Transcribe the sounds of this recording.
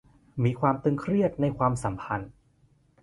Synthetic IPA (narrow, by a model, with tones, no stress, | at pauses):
miː˧kʰwaː˧mt̪ɯ˧ŋkʰɾi˥˩ət̪̚na˧jkʰwaː˧msa˩˦mpʰa˧n